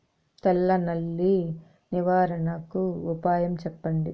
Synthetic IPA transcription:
t̪ɛlːɐnɐlːi | niʋaːɾɐnɐkuːpaːjɐmt͡ʃɛpːɐɳɖi

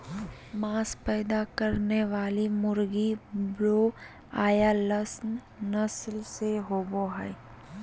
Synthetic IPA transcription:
maːspɛːd̪akɐɾneʋaːlimʊɾɡibɾoː | aːjalɐsn | nɐslseɦoːboɦai

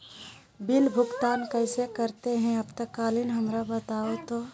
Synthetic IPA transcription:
bɪlbʱʊɡt̪aːnkəɪsekəɾt̪eɦɛ̃ɐbt̪əkːaːlinɦɐmɾabət̪aːot̪oː

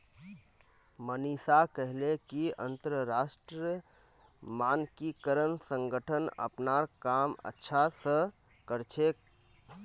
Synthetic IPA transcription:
mənisakəɦlekiə̰nt̪əɾəɾasʈɾi | mankikəɾənsəŋɡəʈʰənə̰pnaɾkamə̰tːʃʰasə̃ | kəɾt͡ʃʰek̚

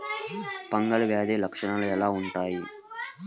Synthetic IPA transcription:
pɐŋɡɐlɐʋjaːd̪eːlɐkʂɐɳɐluɛlaːuɳʈaːji

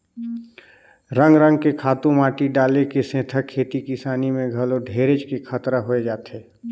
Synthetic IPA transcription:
ɾə̃ŋɡɾə̃ŋɡkekʰaːt̪ũmaːʈiɖaːlekesẽːt̪ʰəkʰːeːt̪ikɪsaːnimẽɡʱəloɖʱeːɾed͡ʒkekʰət̪ɾaɦoed͡ʒaːt̪eː

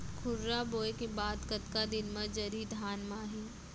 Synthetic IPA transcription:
kʰʊɾːaboːekebaːd̪kɐt̪kad̪ɪnmɐ̃d͡ʒɐɾid̪ʱaːnmaːɦiː

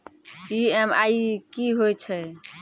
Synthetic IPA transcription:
iɛma̰ikiɦojt͡ʃʰɛ

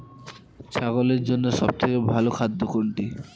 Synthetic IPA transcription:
t͡ɕʰaɡoleɾd͡ʑonːoʃɔb̚t̪ʰekebʱalokʰad̪ʱːokoɳʈi

